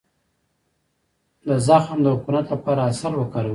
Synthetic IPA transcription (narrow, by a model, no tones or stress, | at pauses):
lazaxhamd̪əhʊkumat̪ləpɑɾaːsaɾwəkaɾ